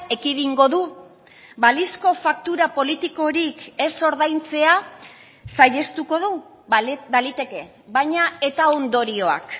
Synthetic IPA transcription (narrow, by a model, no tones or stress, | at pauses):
e̞kiðiŋɡo̞ðu | balisko̞fakt̪uɾapo̞lit̪iko̞ɾike̞so̞ɾðajnt͡se̞a | sajʎe̞st̪uko̞ðu | balit̪e̞ke̞ | βajɲae̞t̪aond̪o̞ɾio̞a̰k